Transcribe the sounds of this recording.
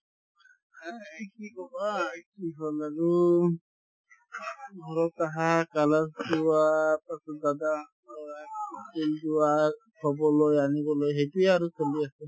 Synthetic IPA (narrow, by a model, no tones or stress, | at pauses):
akikɔbakiɦɔlaɹu | ɔɹɔtaɦakalasduwapasɔdada | selduwa | kʰɔbɔlojanibɔlojɦejtuɛaɹukʰɔliasɛ